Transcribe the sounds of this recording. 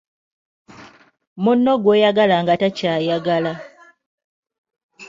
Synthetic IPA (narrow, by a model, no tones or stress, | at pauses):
munːo̞ɡwe̞jaɡalaŋɡatacaːjaɡala